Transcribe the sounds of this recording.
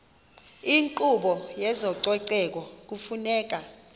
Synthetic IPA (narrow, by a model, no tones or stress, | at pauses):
iŋǃuɓɔjɛzɔǀɛǀɛk̬ʼɔk̬ufunɛːk̬ʼa